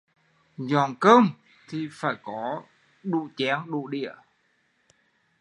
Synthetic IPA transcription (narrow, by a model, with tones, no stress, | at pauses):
zɔ˨˩nkəː˧m | t̪ʰi˨˩faː˧˩jkɔ˨˦ | ɗu˧˨t͡ɕɛː˨˦ŋɗṵ˧˨ɗḭ˧˨ə